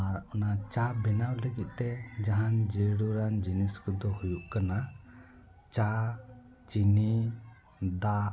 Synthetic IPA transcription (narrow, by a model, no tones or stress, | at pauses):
aɾɔnat͡ʃabɛnawləɡit̪̚ˀt̪ɛd͡ʒaɦand͡ʒeɽuɾand͡ʒiniskud̪ɔhujuʔkana | t͡ʃa | t͡ʃini | d̪a